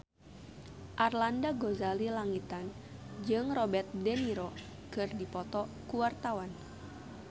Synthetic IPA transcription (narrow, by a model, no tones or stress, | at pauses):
ʔarlandaɡozalilaŋit̪an | d͡ʒɨŋrɔbɛrt̪̚dɛniɾɔ | kɨrdipɔt̪ɔkuwart̪awan